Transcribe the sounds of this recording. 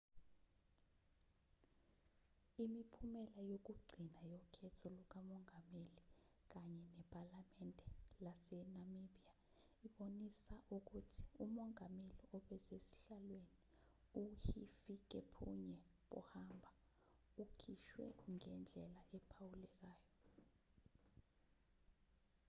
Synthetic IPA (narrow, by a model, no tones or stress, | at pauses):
imipʰumɛlajok̬uɡ͡ǀʱinajɔkʰɛtʰɔluk̬amɔŋʱameli | k̬aɲɛnɛpʼalamɛndʱɛlasɛnamiɓia | iɓonisaʔuk̬utʰi̥umɔŋameliʔɔɓɛsesi̥ɬalweni | uhifik̬ɛpʰṵɲɛ | ɓɔ̰hambʱa | ukʰiʃwɛ̰ŋɛnd͡ɮʱɛlaʔɛpʰawulɛk̬aːjɔ